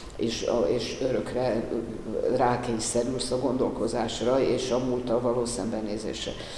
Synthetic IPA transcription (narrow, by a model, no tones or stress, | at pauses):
eːʃeːʃøɾø̞krɛ | raːkeːjsɛɾylsɒɡo̞nd̪o̞lko̞zaːʃrɒeːʃɒmult̪ɒlvɒloːsɛmbɛnːeːzḛːʃrɛ̰